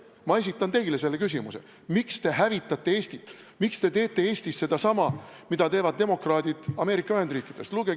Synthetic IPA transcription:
mɑe̞sit̪ːˑɑnt̪e̞jle̞se̞lːe̞kys̬ʲimuse̞̰ | mikst̪e̞ɦævit̪ːˑɑt̪ːˑe̞e̞ːsʲt̪it̪ːˑ | mikst̪e̞t̪e̞ːt̪ːˑe̞e̞ːsʲt̪isse̞d̪̥ɑsɑmɑmid̪̥ɑt̪e̞ːvɑd̪̚d̪e̞mo̞krɑːd̪̥ʲid̪̥ɑme̞ːɾikːˑɑyhe̞nd̪riːkˑid̪̥e̞st̪luɡe

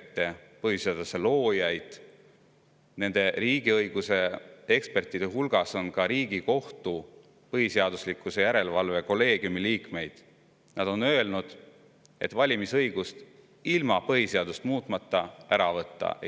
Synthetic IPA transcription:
t̪ːe̞pɤɦiseɑd̪̥use̞lo̞ːjɑjd̪̥ | ne̞nd̪̥e̞ɾiːɡiɤjɡ̥use̞e̞kspe̞rt̪ːˑid̪̥eɦulɡ̥ɑso̞nkɑɾiːɡ̥iko̞ht̪u | pɤɦiseɑd̪̥uslikːˑuse̞jæɾe̞lvɑlve̞ko̞lːe̞ːɡ̥jumiliːkme̞jd̪̥ | nɑd̪̥o̞nø̞elnud̪̥ | e̞̰t̪ːˑvɑlʲimisɤjɡ̥ust̪ | ilmɑpɤɦhise̞ɑd̪̥ust̪muːt̪ˑmɑt̪ːˑɑæɾɑvɤt̪ˑːɑ̰

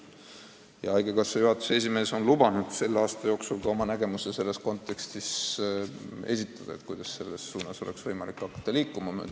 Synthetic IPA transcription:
jɑɑjɡekɑsːejuɦɑt̪ːˑu̥se̞s̬ʲime̞ːso̞nlubɑnud̪̥se̞lːeɑːst̪ɑjo̞ːksulkɑo̞mɑnæɡe̞musese̞lːe̞sko̞nt̪ːˑe̞kst̪is | e̞s̬ʲit̪ːˑɑd̪̥ɑ̰et̪kujd̪̥ɑsːe̞lːe̞sːuːnɑso̞le̞ksvɤjmɑlikːɑkːˑɑ̥t̪ːɑliːkːˑumɑmø̰ː

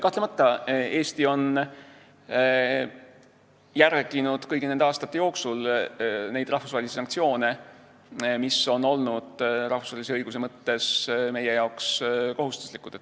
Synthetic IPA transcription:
kɑht̪lemɑt̪ːɑe̞ːst̪io̞n | jærɡ̥inud̪̥kɤjɡ̥ined̪eɑːst̪ɑt̪ːe̞jo̞ːksulne̞jd̪̥rɑhfu̥svɑːlisesɑŋk̚t̪sio̞ːne̞ | miso̞no̞lnud̪̥rɑhfusvɑːlʲiseɤjɡ̥us̬e̞mɤt̪ːe̞sme̞je̞jɑwksko̞ɦust̪u̥slikːˑud̥̪etːˑ

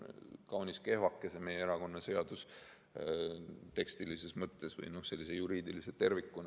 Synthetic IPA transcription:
kɑwnʲiske̞hvɑkːˑe̞seme̞jeeɾɑko̞nːɑse̞ɑd̪̥us | t̪e̞kst̪ilise̞smɤt̪ːˑe̞svɤ̰jno̞hse̞lːisejuɾiːd̪iliset̪e̞rvikːˑun

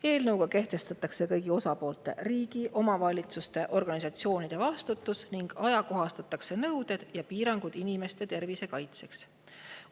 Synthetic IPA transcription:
e̞ːlnɤwɡ̥ɑke̞ht̪e̞st̪ɑt̪ːˑɑkse̞kɤ̞jɡ̥io̞sɑpo̞ːlt̪ˑe̞̰riːɡ̥iʔo̞mɑvɑlʲit̪sust̪e̞ʔo̞rɡ̥ɑnʲisɑt̪sio̞ːnid̪̥e̞vɑst̪ut̪ːˑusniŋɡ̥ɑjɑko̞ɦɑst̪ɑt̪ːˑɑkse̞nɤwd̪̥e̞d̪̥jɑpiːɾɑŋɡ̥ud̪̥inime̞st̪e̞t̪e̞rvise̞kɑjt̪se̞ks

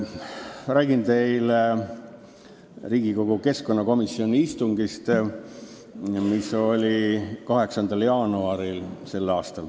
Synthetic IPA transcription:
ræːɡ̥int̪e̞jle | riːɡ̥iko̞ɡ̥uke̞sko̞nːɑko̞misːio̞nʲiist̪uŋɡist̪ | miso̞lʲikɑɦe̞ksɑnd̪ɑljɑːnuɑɾilse̞lːɑːst̪ɑl

